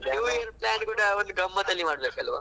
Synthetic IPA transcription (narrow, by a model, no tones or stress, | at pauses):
niʋɐnplaːnkuːɽɐond̪uɡɐmːɐt̪ɐlːimaːɽd̪ɐkɐlʋa̰ː